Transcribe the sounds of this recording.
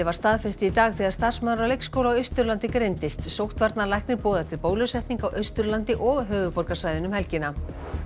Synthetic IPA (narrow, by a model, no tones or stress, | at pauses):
ɪvaɾ̥st̪aːðfɛst̪ɪit̪aːɣθiːɣaɾst̪aðɾ̥smaːðɾalejkskoːwlawœɥst̪ʏɾlant̪ɪkɾejnt̪ɪst̪sowht̪vaɾt̪nalajhknɪɾpɔːðɛ̥t̪ʰɪɾpoːwlʏsɛht̪niŋkawʔœɥst̪ʏɾlant̪ɪʔɔɣɦœːvʏpɔɾkasajðɪnʏmhɛlcɪna